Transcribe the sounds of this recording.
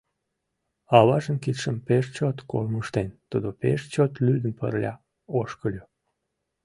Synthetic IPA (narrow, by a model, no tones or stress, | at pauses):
ɑβɑʒənkit̪ʃəmpeʃt͡ɕot̪ko̰lməʃt̪ent̪ud̪opḛʃt͡ɕot̪lyd̪əmpə̰rlʲɑ̰ | oʃkəlʲo